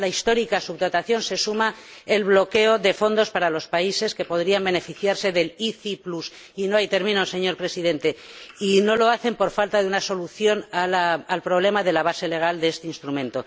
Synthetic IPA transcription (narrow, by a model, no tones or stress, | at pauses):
laist̪o̞ɾikasuβt̪ot̪aθjo̞nse̞sumae̞lβlo̞ke̞o̞ðe̞fo̞nd̪o̞spaɾalo̞spaise̞ske̞po̞ðɾiambe̞ne̞fiθjaɾse̞ðe̞liθiplus | ino̞ajt̪e̞ɾmĩnose̞ɲo̞ɾpɾe̞sið̞e̞nt̪e̞ino̞lo̞aθe̞mpo̞ɾfalt̪aðeunaso̞luθjo̞nalaːlpɾo̞β̞le̞maðe̞laβase̞le̞ɣ̞ald̪eest̪einst̪ɾumẽ̞nt̪o̞